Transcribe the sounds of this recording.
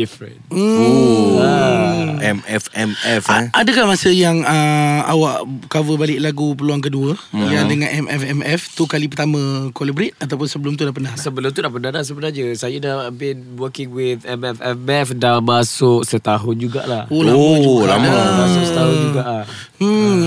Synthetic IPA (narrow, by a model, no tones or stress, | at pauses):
difɾə̰n̩oa | ɛmɛfɛmɛfaadəkahmasəjaŋəa̰waʔkavəbalɪʔlaɡup̬əluaŋk̬əduəjadəŋãnʔɛmɛfɛmɛft̪ukalipərt̪amə̃kolibɾɪt̪̚at̪awp̬ʊnsəbəlʊmt̪udaʔpənahsəbəlʊmt̪̬udaʔpənahdahsəbənad͡ʒəsajədahbin | wəkɪŋwɪtɛmɛfɛfɛfdamasʊʔsət̪aɦʊnd͡ʒuɡa̰ʔlaholad͡ʒualamaəasʊsət̪aɦʊnd͡ʒuɡaʔla